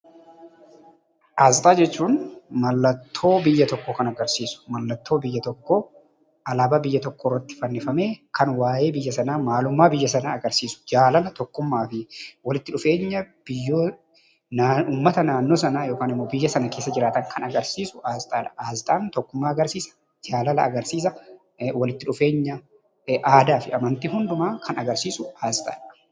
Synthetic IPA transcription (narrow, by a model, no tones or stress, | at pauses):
ʔaːzt̪ʼaːd͡ʒɛt͡ʃːuːnmɐlːɐt̪ʰːo̞ːbɪjːɐt̪ɔkːokɐnɐɡɐɾsiːsʊ̥mɐlːɐt̪ːo̞ːbɪjːɐt̪ɔkːo | ʔɐlaːbaːbɪjːɐt̪ɔkːoːɪrːɐt̪ːɪ̥fɐnːɪfɐme̞ːkʰɐnwaːje̞ːbɪjːɐsɐnaːmaːlʊmːaːbɪjːɐs̬ɐnaːɡɐɾsiːsʊ̥d͡ʒaːlɐnɐt̪ɔkːʊmːaːfɪwɐlɪt̪ːɪᶑʊfe̞ːɲːɐb̥ɪjːoː | nauːmːɐt̪ɐnaːnːo̞ːsɐnaːjoːkaːnɪmːo̞ːbɪjːɐsɐnɐke̞ːsːɐd͡ʒɪɾaːt̪ɐŋkʰɐnɐɡɐɾsiːsʊ̥ʔaːst̪ʼaːᶑɐ̥ʔaːst̪ʼaːnt̪ɔkːʊmːaːɐɡɐɾsiːsɐ̥ | d͡ʒaːlɐlɐːɡɐɾsiːs̬ɐ | wɐlɪt̪ːɪᶑʊfe̞ːɲːɐ | ʔaːd̪aːfɪɐmɐnt̪iːhʊnd̪ʊmaːkʰɐnɐɡɐɾsiːsʊaːst̪ʼa̰ːᶑɐ̥